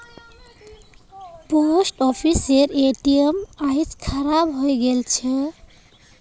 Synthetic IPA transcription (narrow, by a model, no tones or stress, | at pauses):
posʈɔpʰiseɾeʈiemajskʰaɾabɦojɡelt͡ʃʰe